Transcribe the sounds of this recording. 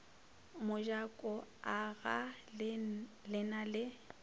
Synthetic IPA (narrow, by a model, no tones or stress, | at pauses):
mʊʒakʼɔaɣa | lɪnalɪ